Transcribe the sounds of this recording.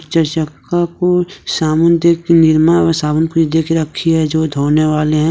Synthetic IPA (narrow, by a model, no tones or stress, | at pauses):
t͡ʃəɾʃəkːakosaːmʊnd̪ekenɪɾmasaːmənpuid̪eːkeɾɐkʰːiɦɛd͡ʒod̪ʱoːneʋaːleɦɛ̃